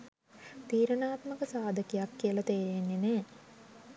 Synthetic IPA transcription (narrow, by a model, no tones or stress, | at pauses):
t̪iːɾənaːt̪məkəsaːd̪əkijakːijəlat̪eːɾenːeneː